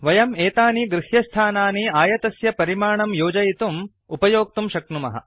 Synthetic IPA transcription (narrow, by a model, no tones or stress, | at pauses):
ʋɐjɐmeːt̪aːniɡɾɪhjɐst̪ʰaːnaːniaːjɐt̪ɐsjɐpɐɾimaːɳɐmjoːd͡ʒɐjit̪um | upɐjoːk̚t̪umʃɐknumɐ̰ɦɐ̰